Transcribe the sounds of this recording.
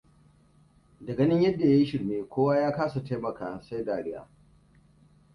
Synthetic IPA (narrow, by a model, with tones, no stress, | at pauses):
dɐ˨ɡɐ˦nɪ˦ɲjɐ˦dːa˨ja˦ji˦ʃɪ˨ɽmeː˦kʷoː˦waː˦jaː˦kaː˦sa˨ta˦jmɐ˨kaː˨sa˦jdaː˨ɽɪ˦ja̰ː˨